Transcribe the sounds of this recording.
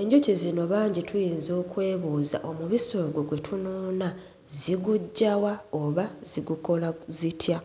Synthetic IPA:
e̞ɲɟo̞cizino̞βaːɲɟitʰujiːnzo̞ːkwe̞ːβuːza̰ʔo̞muβiso̞ːɡwo̞ɡwe̞tʰunoːna | ziɡuɟːawaoβaz̥iɡuko̞lazitʰja

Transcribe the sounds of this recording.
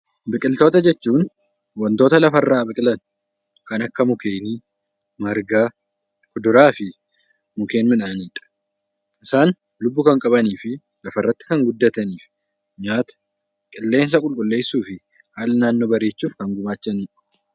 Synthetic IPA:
bɪkʼɪlt̪o̞ːt̪ɐd͡ʒɛt͡ʃːuːn | wɐnt̪o̞ːt̪ɐlɐfɐrːaːbɪkʼɪlɐn | kɐnɐkːɐmʊkeːniː | mɐɾɡaː | kʊd̪ʊɾaːfɪ | mʊke̞ːnmɪnaːniːᶑɐ̥ | ʔɪsaːn | lʊbːʊkɐŋkʼɐβɐniːfɪ | lɐfɐrːɐt̪ːɪ̥kɐŋɡʊd̪ːɐt̪ɐniːfɪ | ɲaːt̪ɐ̥ | kʼɪlːe̞ːns̬ɐkʼʊlkʼʊlːe̞ːsːuːfɪ | haːlɐnaːnːoːbɐɾe̞ːt͡ʃːuːfkɐŋɡʊmaːt͡ʃːɐniːᶑɐ̥

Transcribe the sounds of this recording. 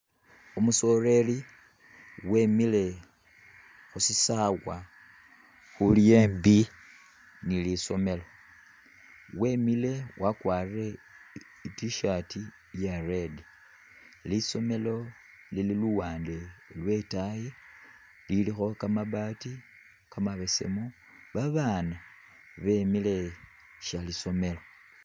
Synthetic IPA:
omuso̞re̞li | we̞mile̞ | xusisawwa | xulijeːmbi | niliso̞me̞lo̞ | we̞mile̞wʔakwaːrire̞ | itiʃati | jaredi | liso̞me̞lo̞ | lililuwaːndelwe̞taje | lilixo̞kamaβati | kamaβe̞se̞̰mu | βaβana | βe̞mile̞ | ʃaliso̞me̞lo̞

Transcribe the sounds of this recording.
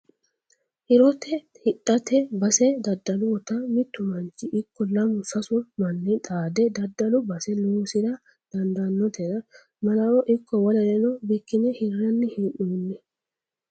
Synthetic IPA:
ʔɪɾɔt̪ɛ | hɪɗːɐt̪ɛbɐsɛd̪ɐd̪ːɐlʊwɔt̪ɐmɪt̪ːʊmɐnt͡ʃːɪʔɪkʰːɔlɐmʊsɐsʊmɐnːɛt̪ʼaːd̪ɛd̪ɐd̪ːɐlʊbɐsɛluːsɪd̪ɐ | d̪̥ɐnd̪ɐnːɔt̪ɛɾɐ | mɐlɐwɔʔɪkːɔwɔlɐd̪ɛnɔbɪkːɪnɛhɪrːɐnːɪhɪʔːuːnːɛ

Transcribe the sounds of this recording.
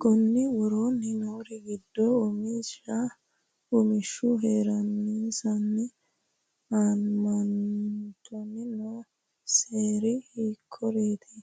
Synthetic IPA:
ɡɔnːɪwɔɾoːnːɪnoːɾɪɡɪd̪ːoːmisa | ʊmɪʃːʊɦe̞ːɾɐniːsɐnːɪ | aːnmɐnt̪ʰɔnːɪno | seːɾɪhiːkʰːɔɾeːt̪ʰɪ̥

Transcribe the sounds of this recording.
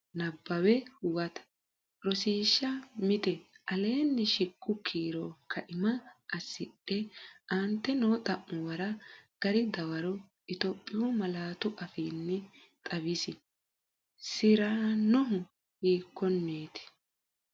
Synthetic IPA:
nɐbːɐwɛʊwɐt̪ɐ̥ | ɾɔsiːʃːɐmɪt̪ɛʔɐle̞ːnːɛʃɪkːʊkʰiːɾoːkʰɐʔɪmɐʔɐsɪɗɛʔɐnt̪ːɛnoːt̪ʼɐʔːʊwɐɾɐɡ̥ɐɾɪd̪ɐwɐɾɔ | ʔɪt̪ɔpʼːɪjʊmɐlaːt̪ʊʔɐfiːnːɛ | t̪ʼɐβɪsɪ | sɪɾaːnɔɦʊ | hiːkːɔnːeːt̪ɪ̥

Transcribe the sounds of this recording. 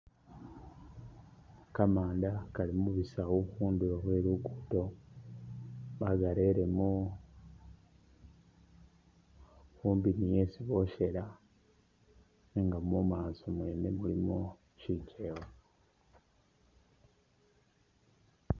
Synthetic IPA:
kamaːndakalimuβisawokuːnduloβweːlukuːto̞ | βaɡale̞ɾe̞mu | fuːmbinije̞siβo̞ʃe̞la | eŋɡamumaːsomwe̞ːnemulimo | ʃicʰewo

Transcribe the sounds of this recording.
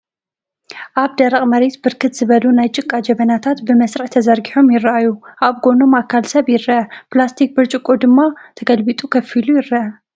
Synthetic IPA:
ʔaβd̪ɐɾɐqʼmɐɾe̞t̪bɨɾkʰɨt̪z̥ɨβɐlunajt͡ʃʼɨkʼːad͡ʒɐβɐnat̪ʰat̪bɨmɐsɾɨħt̪ʰɐzɐɾɡiħo̞mjɪɾːɐʔajuʔaβɡo̞no̞makʰːalsɐβjɪɾɐʔɐplast̪ʰik̚bɨɾt͡ʃʼɨkʼːod̪ɨmːat̪ʰɐɡɐlbit̪ʼukʰɐfilujɪɾːɐʔɐ

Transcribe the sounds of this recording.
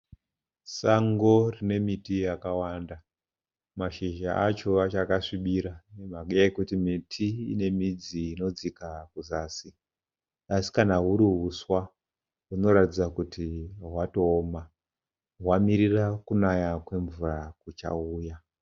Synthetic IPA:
saŋɡo̞rine̞mitijakawanda | maʃiʒaat͡ʃoat͡ʃakaʂiɓiɾaemakujakutimitʰiḭne̞mid͡ziːno̞d͡zikakuzaːsi | asi̥kanaɦuɾiɦuswa | uno̞ɾatid͡zakutiɦwato̞ːma | ɦwamiɾirakunajakwe̞ɱvurakut͡ʃa̰uːja

